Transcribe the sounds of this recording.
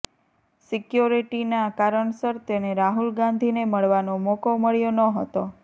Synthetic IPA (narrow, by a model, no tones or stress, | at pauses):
sikjuɾiʈinakaɾəɳsəɾt̪eneɾaɦulɡãnd̪ʱineməɭʋanomokoməɭjonəɦət̪o